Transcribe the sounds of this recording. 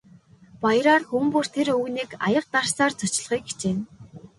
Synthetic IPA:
pajə̆ɾaːrxumpɵr̥t̪ʰeɾɵɣniːka̰jə̆q̚t̪ar̥saːrt͡sʰʊt͡ɕɪ̆ɮχiːkɡe̥t͡ɕeːn

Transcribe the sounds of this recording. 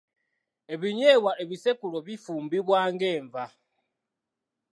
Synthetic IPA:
e̞βiɲeːβwaeβisekuloβifuːmbiβwaːŋɡe̞ːɱva

